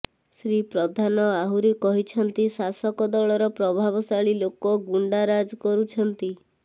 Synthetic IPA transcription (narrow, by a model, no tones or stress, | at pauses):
sɾipɾɔd̪ʱanɔaɦuɾikɔɦit͡ʃʰɔnt̪isasɔkɔd̪ɔɭɔɾɔpɾɔbʱabɔsaɭilokɔɡuɳɖaɾad͡ʒkɔɾut͡ʃʰɔnt̪i